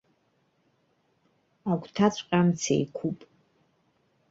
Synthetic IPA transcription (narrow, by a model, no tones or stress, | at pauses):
aɡʷtʰat͡sʷʼqʼamt͡sʰḛjkʷʰupʼ